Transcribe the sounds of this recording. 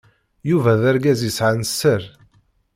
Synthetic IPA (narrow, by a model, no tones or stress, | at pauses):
juvæðæɾɡæzisʕanəsːəɾ